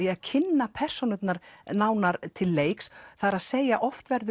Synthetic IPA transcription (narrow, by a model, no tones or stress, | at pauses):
iaðcʰɪnːapʰɛr̥sonʏt̪naɾnaːwnaɾt̪ʰɪlːeːjksθaðɾaðseːjaʔɔft̪vɛɾðʏ